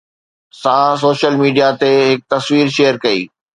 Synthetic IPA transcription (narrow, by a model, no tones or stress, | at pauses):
sãːs̬oːʃəlmiːɖijat̪eɦɪk̚t̪ɐsʋiːɾʃeːjəɾkɐḭː